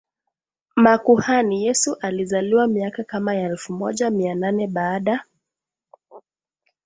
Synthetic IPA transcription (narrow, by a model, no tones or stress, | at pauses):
makuhanijɛsuʔalizaliwamiakakamajaɛlfumɔʄamiananɛɓaːɗa